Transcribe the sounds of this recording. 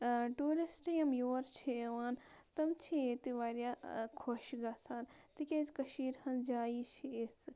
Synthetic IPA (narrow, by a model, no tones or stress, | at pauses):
ʈuːɾisʈijɐmjoːɾt͡ʃʰiʋaːn | t̪ɐmt͡ʃʰiet̪iʋaːɾjaːkʰoʃɡaːsʰaːn | t̪ikʲeːzkɐʃiːɾhɐnd͡ʒaːjit͡ʃʰiet͡sɨ